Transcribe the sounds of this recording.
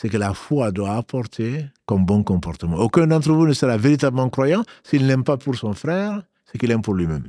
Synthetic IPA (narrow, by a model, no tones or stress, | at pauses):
sɛkəlafwad̪waːpʰɔʁt̪ʰekɔmbɔ̃kɔ̃pɔʁt̪əmɑ̃okɛ̃d̪ɑ̃t̪ʁəvunəsəʁaveʁit̪abləmɑ̃kʁwajɑ̃siːlnɛmpapuʁsɔ̃fʁɛːʁ | sɛkilɛmpuʁlɥimɛm